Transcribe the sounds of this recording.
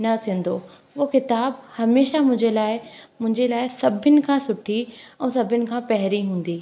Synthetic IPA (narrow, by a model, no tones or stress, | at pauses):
nɐt̪ʰĩːə̃n̆d̪oː | kɪt̪aːbhɐmeːʃamʊ̃ɦɪ̃ɲd͡ʑelaːɪmʊ̃ɦɪ̃ɲd͡ʑelaːɪsɐbʱɪnɪ̆kʰãːsʊʈʰiɛ̃ːsɐbʱɪnɪ̆kʰãːpɐɦɾiɦũːn̆d̪iː